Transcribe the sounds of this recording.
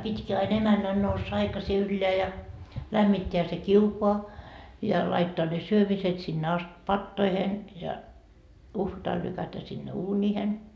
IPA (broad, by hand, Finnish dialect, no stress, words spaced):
pitʲki ɑin emænːæn nousːɑ ɑikɑsi ylːeæ jɑ læmːitːeæ se kiukoɑ jɑ lɑitːoːɑ ne syømiset sinːe ɑst pɑtːoihen jɑ uhʋɑtɑl lykætæ sinːe uːnʲiːhen